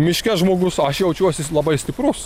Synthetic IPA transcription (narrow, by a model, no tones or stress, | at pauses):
mʲɪʃʲkʲɛsʒmoːɡʊsɐʃjɛʊt͡ʃʲuɔsʲɪlˠɐbɐɪsʲt̪ʲɪpɾʊs